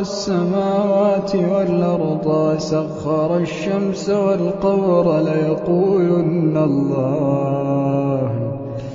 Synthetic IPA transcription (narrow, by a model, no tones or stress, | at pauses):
asːamaːwaːt̪ɪwalʔɑɾˤd̪ˤɑːsaɣːɑɾˤɑʃːamsawalqɑwɾˤlajɑquːlʊnːalˤːɑː | h